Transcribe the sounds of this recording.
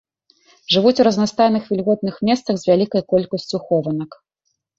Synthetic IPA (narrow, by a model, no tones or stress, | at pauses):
ʐɨvut͡sʲuɾɐznast̪ajnɨxvʲilʲɣɔt̪̚nɨxmʲɛst̪sɐɣzʲvʲalʲikɐjkɔlʲkɐsʲt͡sʲuxɔvɐnɐk